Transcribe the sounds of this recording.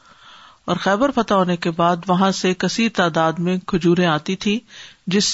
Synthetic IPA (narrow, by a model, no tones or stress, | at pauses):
ɔːɾxɛːbəɾfɐt̪aɦoːnekebaːd̪ʋɐɦãsekɐsit̪aːd̪aːd̪mẽkʰʊd͡ʒuːɾẽaːt̪it̪ʰĩːd͡ʒɪs